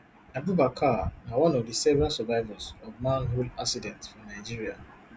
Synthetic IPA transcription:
nãbubakʰanawɔ̃nɔvdəsɛvɹasɔvaɪvasɔvmãnɦolaksidɛ̃ntfɔ̃naɪd͡ʒiɹia

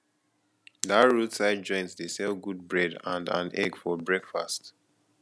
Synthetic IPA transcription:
daɹutsaɪd̚d͡ʒɔ̃ɪ̃ntsdesɛlɡud̚bɹɛdã̰ndã̰nɛ̰ɡfɔbɹɛkfa̰st

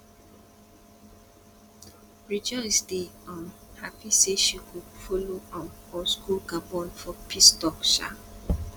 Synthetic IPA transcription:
ɹid͡ʒɔsdeɔ̃nhapiseʃikufoloɔ̃nɔskulɡabɔ̃nfɔpʰistɔkʃa̰

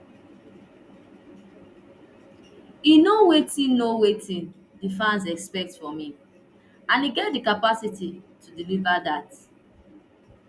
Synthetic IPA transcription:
inowetĩnːowetĩn | difãns̬ɛkspɛk̚tfɔmĩ | ãniɡɛtdikapasititʰudilivadat

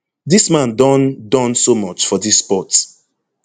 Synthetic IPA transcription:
dismãndɔ̃ndɔ̃nsomɔt͡ʃfɔdisːpɔt

